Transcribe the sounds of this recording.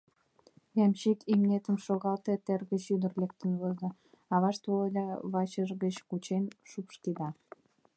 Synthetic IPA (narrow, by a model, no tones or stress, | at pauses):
jɑmɕikimnet̪əmʃoɣɑlt̪et̪erɣə̆ɕyd̪ərlek̚t̪ə̆nβozə | ɑβɑʃt̪olod̪ɑβɑt͡ɕəʒɣət͡ɕkut͡ɕenʃupʃk̪id̪ɑ